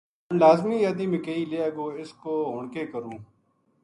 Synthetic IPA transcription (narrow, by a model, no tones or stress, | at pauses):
ənlaːzmiːjaːd̪iːmɪkeiːleːaːɡoːɪskoːɦʊɳkeːkəɾũː